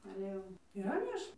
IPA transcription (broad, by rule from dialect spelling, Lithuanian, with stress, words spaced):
ɐlʲɛ ˈjɛʊ iːˈrɐ ˈmʲeːʃ